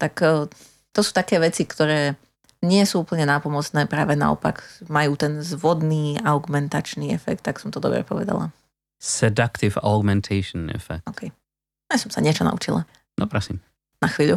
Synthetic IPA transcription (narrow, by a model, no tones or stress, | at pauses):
t̪akː | t̪ɔsuːt̪akɛːʋɛt͡sikt̪ɔɾɛː | ɲɪɛsuːuːpl̩ɲɛnaːpɔmɔt͡snɛːpɾaːʋɛna̰ɔ̰pa̰kmajuːt̪ɛnzʋɔd̪niːaʊɡumɛnt̪at͡ʃniːɛfɛk̚t̪ːaksɔmt̪ɔd̪ɔbɾɛ̰pɔʋɛ̰d̪a̰la̰ | sɛd̪akt̪ivɔɡmɛnt̪ʰɛɪʃnɛ̰fɛ̰k̚ɔkʰɛj | asɔmsaɲɪɛt͡ʃɔna̰ṵt͡ʃḭlˠa | nɔpɾɔsḭm | naxʋiːʎu